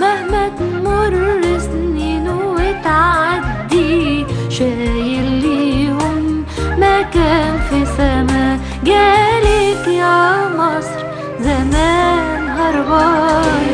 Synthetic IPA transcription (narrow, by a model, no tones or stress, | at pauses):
mahmæt̪mʊɾˤːɪsnninuɪt̪ʕaad̪ːiʃæːjɪlːihʊmː | ækæːnfisæmæ | ɡæːlɪkjæmɑsˤɾ | zamæːnɦɑɾˤbɑ